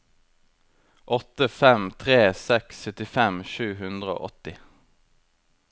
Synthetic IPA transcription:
ʔɔt̪əfɛmt̪ʰʁeːsɛksœt̪ɪfɛmʃʉːhʉnd̪ʁəo̰ːʔɔt̪ɪ

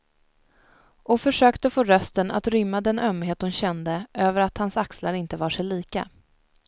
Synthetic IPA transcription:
ʔɔfœʂøːkt̪əfoːɾœst̪əna̰t̪ɾʏmːad̪ɛnʔœmɦeːt̪̚d̪ʊnɕɛnd̪əʔøːvəɾat̪hansakslaɾɪnt̪əvɑːʂɛjliːka̰

